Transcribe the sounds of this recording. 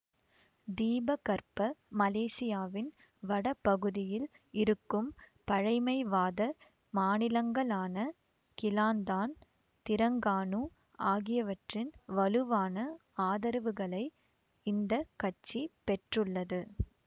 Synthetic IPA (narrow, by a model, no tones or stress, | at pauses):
d̪iːbɐkɐɾpɐmɐleːsɪjaːʋɪn | ʋɐɽɐpːɐɣɯðɪjɪl | ɪɾɯkːɯmpɐɻɐɪmɐɪʋaːðɐ | maːnɪlɐŋɡɐɭaːnɐ | kɪlaːnd̪aːn | t̪ɪɾɐŋɡaːnu | aːɣɪjɐʋɐʈrɪnʋɐlɯʋaːnɐaːðɐɾɐʋɯɣɐɭɐɪ | ɪnd̪ɐkɐt͡ʃːipɛʈrɯɭːɐðɯ